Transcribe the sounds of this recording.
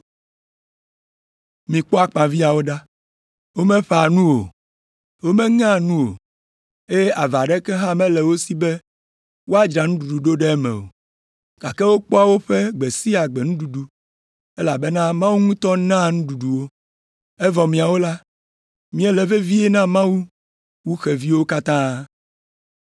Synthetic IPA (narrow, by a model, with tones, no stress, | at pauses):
mĩ˨k͡pɔ˦a˦k͡pã˨vi˦a˨wo˦ɖa˦ | wo˦mẽ˦ɸa˨nũ˦wo̰˨ | wo˦mẽ˦ŋã˦nũ˦wo̰˨ | e˦a˨va˨ɖɛ˦kɛ˦ɦã˦mɛ̃˦lɛ˨wo˦si˦bɛ˦ | wo˦a˦d͡ʒɾa˨ŋũ˦ɖu˨ɖu˨ɖo˦ɖɛ˦mɛ̰̃˨o̰˨ | ka˨kɛ˦wo˦k͡pɔ˦a˨wo˦ɸe˦ɡ͡be˨si˦a˨ɡ͡bɛ˨ŋũ˦ɖu˨ɖu˨ | e˦la˨be˦nã˦mã˦wu˦ŋũ˦t̪ɔ˦nã˦ŋũ˦ɖu˨ɖu˨wo˦ | e˦vɔ˨mĩ˨a˨wo˦la˦ | mĩ˦ɛ˦lɛ˨ve˦vi˦e˦nã˦mã˦wu˦ | wu˦xe˨vi˦wo˦ka˦t̪ã˦